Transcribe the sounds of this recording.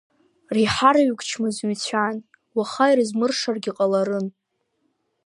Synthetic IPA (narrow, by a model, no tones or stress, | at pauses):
riħaɾaɥɡʷʰʼt͡ʃʰmɨzɥɥt͡sʷʰan | waχajrɨzmɨrʂarɡʲiqʼalaɾɨn